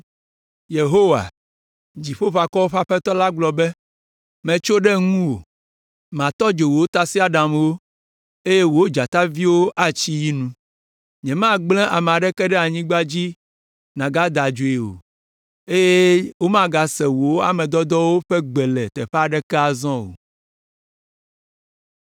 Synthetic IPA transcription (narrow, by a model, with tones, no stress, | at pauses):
je˨ɦo˦wa̰˨ | d͡ʑi˨ɸo˦ɸa˨kɔ˦wo˦ɸa˦ɸɛ˦t̪ɔ˦la˦ɡ͡blɔ˨bɛ˦ | mɛ̃˨t͡ʃo˦ɖɛ˦ŋũ˦wo̰˨ | mã˨t̪ɔ˦d͡ʒe˨wo˨o˦t̪a˨si˦a˨ɖa˨mwo˦ | e˦je˦wo˨o˦d͡ʒa˨t̪a˦vi˦wo˦ʔa˦t͡ɕi˦ji˦nũ˦ | ɲɛ̃˨mã˦ɡ͡blɛ̃˦ʔa˨m˨a˨ɖɛ˦kɛ˦ɖɛ˦a˨ɲĩ˦ɡ͡ba˦d͡ʑi˦ | nã˨ɡa˦d̪a˨d͡ʒo˨e˨wo̰˨ | e˦je˦wo˦mã˦ɡa˨sɛ˨wo˨wo˦a̰˨mɛ̃˨d̪ɔ˦d̪ɔ˦wo˦ɸɛ˦ɡ͡bɛ˨lɛ˨t̪ɛ˨ɸɛ˦a˨ɖɛ˦kɛ˦a˨zɔ̃˦wo̰˨